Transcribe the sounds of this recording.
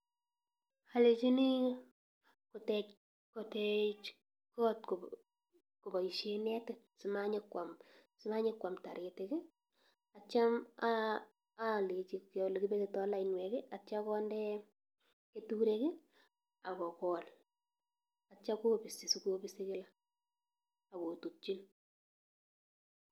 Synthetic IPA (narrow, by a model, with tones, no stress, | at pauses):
a˨le˨t͡ʃi˦ni˦ | kʊ˨tɛ | kɔ˨tɛ˦t͡ʃ | kɔ˦tko | kʊ˨ba˨i˨ʃe˦nɛ˦tɪ | sɪ˨maɲɪkwa˨msɪ˦ma˦ɲe˦kːwa˨mta˨ɾe˨teke˦ | a˨t͡ʃa˦ma | a˦˨le˨t͡ʃi˨kle˨ki˦be˦tetɔ˦la˦i˨nwɛ˨kɪ˦a˨t͡ʃa˦kɔ˦ndɛ˦ | ketuɾe˦ke˦ | a˨kɔ˨kɔ˨l | at͡ʃa˦ko˦bi˨si˨su˦ko˦bise˦kɪ˦la˦ | a˨ko˨tu˨t͡ʃi˦n